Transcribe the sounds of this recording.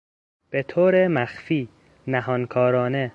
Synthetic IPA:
b̥et̪ʰoːɾemæxfiː | næɦɒːnkʰɒːɾɒːne

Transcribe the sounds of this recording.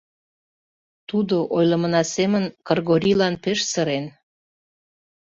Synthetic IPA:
t̪ud̪oʔojlə̆mənɑsemənkərɣoɾʲilɑnpeʃsəɾen

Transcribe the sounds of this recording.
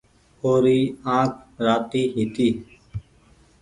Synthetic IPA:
oːɾiːãːkʰɾaːt̪iːɦiːt̪iː

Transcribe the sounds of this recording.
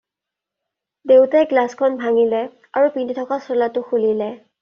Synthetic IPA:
dewtɛɡlaskʰɔnbʱaŋilɛ | a̰ɹupinditʰɔkasɔlatʊxulilɛ

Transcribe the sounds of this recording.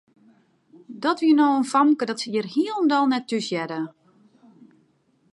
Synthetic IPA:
dɔtʋiənɔwənfɔmkədɔtsəiərhiəlˠəndɔlˠnɛtːysjɛdə

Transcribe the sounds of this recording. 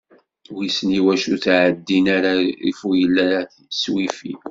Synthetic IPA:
wisniwæʃuθʕəd̪ːinaɾaḭfujəlːæɾaθ | swifḭ

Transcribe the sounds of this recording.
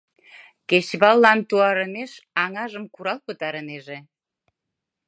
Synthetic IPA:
keɕβɑlːɑnt̪uɑɾə̆neʃɑŋɑʒəmkuɾɑlpə̆t̪ɑɾə̆neʒe

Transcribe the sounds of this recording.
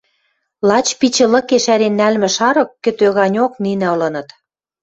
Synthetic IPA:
lɑt͡ɕpit͡ɕə̆lɤ̆keʃæɾenːælmɘ̆ʃɑɾɤ̆kːɘ̆t̪øɣɑnʲoknin̆ɤ̆lɤ̆nɤ̆t̪

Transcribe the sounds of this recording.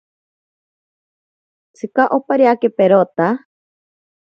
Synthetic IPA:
t͡sʰɨkaʔopaɾiakepeɾot̪a

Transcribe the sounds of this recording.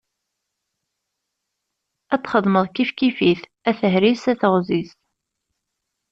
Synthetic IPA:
æt͡sːχəðˤməðˤkifkifiθ | æθəɦɾisæθəʁzis

